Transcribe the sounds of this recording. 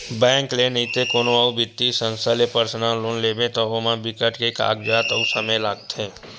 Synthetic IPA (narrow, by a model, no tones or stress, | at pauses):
bɛ̃ːŋklenɐĩt̪ekoːnõaubɪt̪ːisə̃nst̪alepəɾsnaːlloːnleːbẽt̪oomãbɪkəʈkeka̰ːk̚d͡ʒaːt̪əusəməjlaːɡt̪ẽː